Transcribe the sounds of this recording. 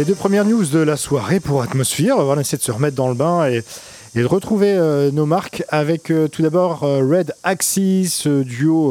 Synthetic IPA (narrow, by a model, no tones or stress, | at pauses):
led̪øpχəmjɛʁnjuzd̪əlaswaʁepuʁat̪mɔsfɛʁvaaesejed̪əsəʁəmɛt̪̚d̪ɑ̃ləbɛ̃eː | d̪əʁət̪χuveønomaʁkavɛkøt̪ud̪abɔʁøʁɛd̪aksisəd̪yo